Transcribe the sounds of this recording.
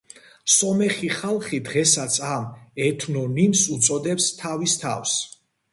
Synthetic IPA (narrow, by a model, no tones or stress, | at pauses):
sɔmɛχiχalˠχid̪ʁɛsat̪sʰamɛt̪ʰnɔninsut̪sʼɔd̪ɛpst̪ʰavist̪ʰa̰fs